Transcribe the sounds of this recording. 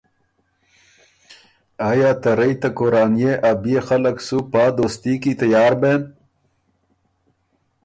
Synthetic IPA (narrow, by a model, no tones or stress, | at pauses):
aːjaːt̪ɐɾɐit̪ɐkoɾaːnjeʔɐbijexɐlɐksupaːd̪ost̪iːkit̪ɐjaːɾbeːn